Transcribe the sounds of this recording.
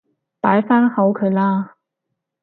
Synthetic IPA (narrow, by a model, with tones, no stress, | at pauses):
paː˨˥jfaː˥nhɐ˨˥wkʰɵ˨˧ɥlaː˥